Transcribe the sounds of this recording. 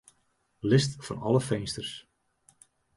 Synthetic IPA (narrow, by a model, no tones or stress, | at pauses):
lɪstfɑ̰nɑləfejnstərs